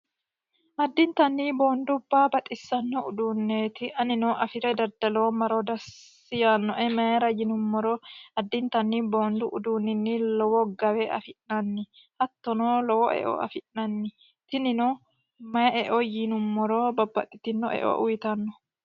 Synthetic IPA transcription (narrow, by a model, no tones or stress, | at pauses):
ʔɐd̪ːɪnt̪ɐnːiːbo̞ːnd̪ʊbːaːbɐt̪ʼɪsːɐnːɔʊd̪uːnːeːt̪ɪʔɐnɪnɔʔɐfɪɾɛd̪ɐd̪ɐloːmɐɾod̪ɐsː | ɪjaːnːɔʔɛmɐjɐɾɐjɪnʊmːɔɾɔɐd̪ːɪnt̪ɐnːibo̞ːnd̪ʊʔʊd̪uːnːɪnːɪlɔwɔɡɐwɛɐ̰fɪʔnɐnːɪ | hɐt̪ːɔnolɔwɔʔɛ̰ʔɔ̰ʔɐ̰fɪʔnɐnːɪ | t̪ɪnɪnɔ | mɐjɐɛʔɔjɪnʊmːɔɾobɐbːɐt̪ʼːɪt̪ːɪnːɔʔɛ̰ʔɔ̰ʔʊjt̪ɐnːɔ